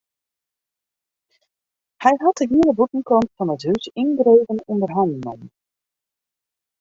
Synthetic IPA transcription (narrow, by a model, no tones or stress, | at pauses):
hɛjɦɑt̚əɡiələbutn̩kɔntfɑnətɦysɪnɡreːvənundərɦanno̰m